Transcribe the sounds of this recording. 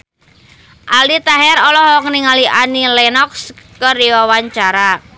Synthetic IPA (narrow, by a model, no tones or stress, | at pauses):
ʔalit̪aɦɛɾɔlɔɦɔkniŋaliʔanilɛnɔkskəriwawaɲt͡ʃaɾa